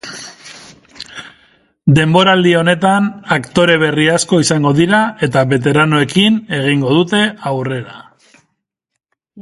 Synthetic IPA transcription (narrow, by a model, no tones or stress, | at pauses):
d̪e̞mbo̞ɾald̪io̞ne̞t̪anakt̪o̞ɾe̞βe̞riasko̞isaŋɡo̞ðiɾae̞t̪aβe̞t̪̬e̞ɾanoe̞kine̞ɣ̞iŋɡo̞ðut̪e̞awre̞ɾa̰